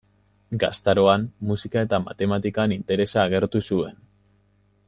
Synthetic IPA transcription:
ɡa̰st̪aɾo̞anmːusikae̞t̪ama̰t̪e̞mat̪ikanint̪e̞ɾe̞saːɣ̞e̞ɾt̪usue̞n

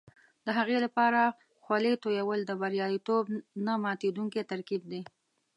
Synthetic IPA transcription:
d̪̥əɦaɣelapɑɾa | xwalet̪ojawəld̪əbaɾjɑit̪obnamɑt̪ed̪uŋket̪aɾkib̚d̪e

